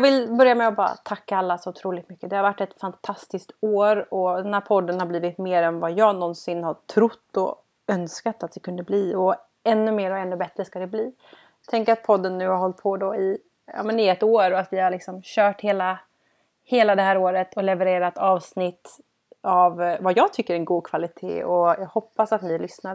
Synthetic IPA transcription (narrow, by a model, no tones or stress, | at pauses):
jɑvɪlbœɾjamɛɔbɑːɾa̰t̪ʰakːaalːasɔʊt̪ʰɾuːlɪt̪mʏkːəd̪ɛhaɾvaʈːɛt̪fant̪ʰast̪ɪskt̪oːɾɔd̪ɛnhæːɾpʰɔd̪ːənhaɾbliːvɪt̪meːɾɛnvajɑːɡnɔnsɪnhaʈʰɾʊt̪ːɔ̰ | œnskat̪at̪̚d̪ɛkʰɵnd̪əbliːɔ | ɛnːɵmeːɾɔɛnːɵbɛt̪ɾəskad̪ɛbliː | t̪ʰɛŋkat̪̚pʰɔd̪ːənːʉ̟ːhaɾhɔlt̪̚pʰɔd̪ɔɪ | a̰ːmɛnɪɛt̪ːoːɾɔat̪vɪhaɾɭɪksɔmɕœːʈheːla | heːlad̪ɛhæːɾoːɾət̪ʰɔlɛvɛɾeːɾat̪ɑːvsnɪt̪ː | avvajɑːɡ̚t̪ʰʏkːəɾɛnɡuːd̪̚kʰvalɪt̪ʰḛːɔjɑːɡhɔpːasat̪nɪlʏsnaɾ